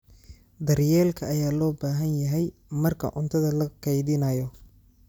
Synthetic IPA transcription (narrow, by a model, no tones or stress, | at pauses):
d̪ɐrjɛːlkʰɐːjaːlɔːbaːɦɐnjɐɦɛjmɐrkʰɐ̰ʔʊnt̪ʰɐðɐlɐkʰɑjðɪnɐjɔ